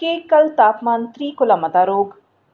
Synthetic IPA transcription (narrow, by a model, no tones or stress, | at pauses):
eːkɐlt̪aːpmaːnt̪ɾiːkʊlɐmɐt̪aːɾoːɡ